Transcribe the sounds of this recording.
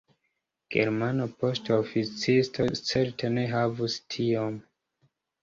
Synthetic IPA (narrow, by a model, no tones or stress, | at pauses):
ɡ̥ḛɾmanopo̞stofit͡sistʰo̞t͡seɾtʰene̞ɦavustʰiom